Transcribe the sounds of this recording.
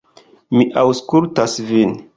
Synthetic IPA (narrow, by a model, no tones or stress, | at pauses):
miʔawskultasvin